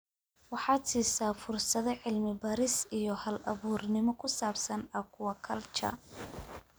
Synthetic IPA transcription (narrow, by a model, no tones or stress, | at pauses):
wɑħɑːt̪siːsaːfʊrsɐðɐʕɪlmɪbɐɾɪsijɔhɐlɐ̰βuːrnɪmɔkʰʊsaːbsɐnɐkʰʊwɑkʰɐlt͡ʃɐ̰